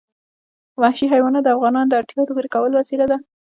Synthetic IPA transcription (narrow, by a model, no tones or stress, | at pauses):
wahʃiɦajwɑnad̪əafɣɑnɑnd̪əaɾʈ̪jɑd̪əɡuɾekawəlwasilad̪a